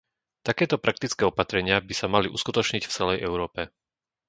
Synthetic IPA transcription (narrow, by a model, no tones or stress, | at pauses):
t̪akɛːt̪ɔpɾak̚t̪it͡skɛːɔpat̪ɾɛɲɪabisamaliʔṵskut̪ɔt͡ʃɲicft͡sɛlɛjʔɛʊɾɔːpɛ